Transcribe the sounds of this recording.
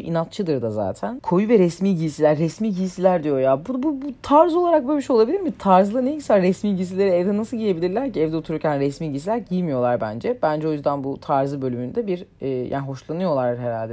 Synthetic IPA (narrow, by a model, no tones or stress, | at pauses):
inat̪̚t͡ʃʰɯd̪ɯɾd̪aza̰ːt̪ʰænkʰo̞juvɛɾɛsmiːɟiisilʲæɾːɛsmiːɟiisilʲæɾd̪ijo̞jaːbud̪bubut̪ʰaɾzo̞lˠaɾak̚bømiʃo̞lˠabilʲiɾmit̪ʰaɾzlˠɯnejicsæɾːɛsmiːlʲɟis̬ilʲe̞ɾiɛvd̪ɛnasɯlˠɟije̞bilʲiɾlʲæɾciɛvd̪ɛot̪ʰuɾuɾcʰænɾɛsmiːlʲɟisilʲæɾɟijmijo̞lˠaɾbænd͡ʒɛb̥ænd͡ʒɛo̞jyzd̪ænbut̪ʰaɾzɯbølymynd̪ɛbiɾɛja̰ːniɦo̞ʃlˠanɯjo̞lˠaɾheɾalʲd̪ɛ